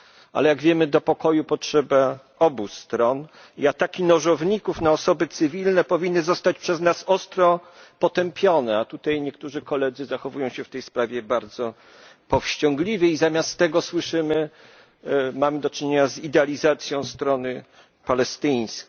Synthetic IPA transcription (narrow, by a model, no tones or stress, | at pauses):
a̰lɛjaɡvʲjɛmɘd̪ɔpɔkɔjupɔtʂɛba | ɔbust̪ɾɔn | iat̪akʲinɔʐɔvɲikufnaɔsɔbɘt̪sɘvʲilnɛpɔvʲinːɘzɔst̪at͡ɕpʂɛznasɔst̪ɾɔpɔt̪ɛmpʲjɔnɛat̪ut̪ajɲɛkt̪uʐɘkɔlɛd̪zɘzaxɔvujɔ̃w̃ɕɛft̪ɛjspɾavʲjɛbaɾd̪zɔ | pɔfɕt͡ɕɔ̃ŋɡlʲivʲɛizamʲjastt̪ːɛɡɔswɘʂɘmɘ | mamɘd̪ɔt͡ʂɘɲeɲazid̪ɛalʲizat̪sʲjɔ̃w̃st̪ɾɔnɘ | palɛst̪ɘj̃skʲ